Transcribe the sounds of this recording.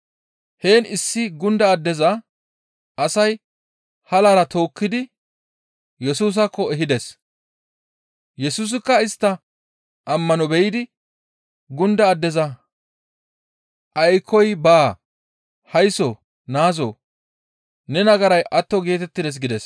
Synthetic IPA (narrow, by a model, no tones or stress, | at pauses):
he̞ːnɪsːɪɡʊnd̪ɐːd̪ːɛzɐ | ʔɐsɐj | hɐlaɾɐt̪o̞ːkːɪd̪ɪ | jɛsuːs̬ɐkːɔɛɦɪd̪ɛs | jɛsuːs̬ɪkːɐɪst̪ːɐ | ʔɐmːɐnɔbɛjɪd̪ɪ | ɡʊnd̪ɐːd̪ːɛzɐ | ʔɐjkʰːɔjbaː | hɐjsɔ | naːzɔ | nɛnɐɡɐɾɐjʔɐt̪ːɔɡe̞ːt̪ɛt̪ːɪd̪ɛs̬ɡɪd̪ɛs